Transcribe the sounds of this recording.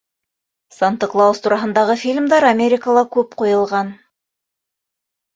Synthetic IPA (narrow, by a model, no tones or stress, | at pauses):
sant̪əklˠɑst̪uɾɑɦɤ̆nd̪ɑʁɤfʲilʲmd̪ɑɾamʲeɾʲɪkəlˠɑkʉpqujɤ̆lˠʁɑn